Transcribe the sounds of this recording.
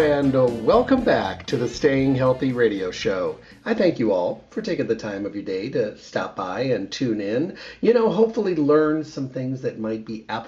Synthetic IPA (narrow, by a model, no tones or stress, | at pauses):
æ̃ndəwɛlˠkə̃mbæ̰k̚tʰɨðɨsteɪɪ̃ŋɦɛlˠθiɹeɪɾioʊʃoʊ | aɪθæ̃ŋkjɨɔ̰lˠfə˞tʰeɪkɪ̃ŋðɨtʰãɪ̃mʌvjə˞deɪɾɨstæ̰p̚b̥aɪɨ̃ntʰʉ̃nɪ̃njɨnoʊɦoʊpfl̩ˠilɜ̃˞nsʌ̃mθɪ̃ŋzðɨt̚maɪt̚b̥iʔæp